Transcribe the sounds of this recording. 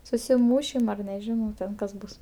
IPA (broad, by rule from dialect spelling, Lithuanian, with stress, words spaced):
sʊsʲɪˈmuːʃʲɪm ɐr nʲɛˈʒʲɪnɐʊ ˈtʲɛn kɐs ˈbʊs